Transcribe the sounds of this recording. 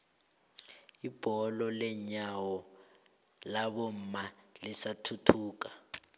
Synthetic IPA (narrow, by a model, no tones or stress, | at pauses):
ib̥ʱɔlɔlɛɲawɔ | laɓom̩malisatʰutʰuːka